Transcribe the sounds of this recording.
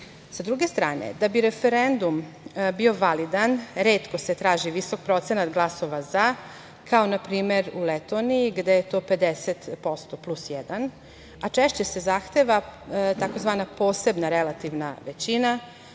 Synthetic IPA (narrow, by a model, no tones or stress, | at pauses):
sad̪ɾuɡe̞st̪ɾaːnḛd̪abiɾe̞feɾend̪um | bio̞ʋalid̪anɾeːt̪ko̞set̪ɾaːʒiʋiso̞k̚pɾo̞t̪se̞nat̪ɡlˠaso̞ʋaza | kʰao̞napɾiːme̞ɾulet̪oːniiɡd̪ejet̪o̞ːpe̞d̪eset̪po̞st̪o̞plˠusjɛd̪an | at͡ʂeʃt͡ɕe̞se̞zaxt̪e̞ʋat̪ako̞zʋaːnapo̞ːse̞bnaɾelat̪iʋnaʋet͡ɕina